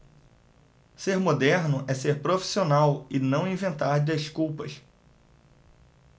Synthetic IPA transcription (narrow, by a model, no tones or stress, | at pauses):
seɾmod̪ɛɾnʊʔɛseɾpɾofi̥sionawɪnɐ̃w̃ĩvẽnt̪aɾeskuwpɐs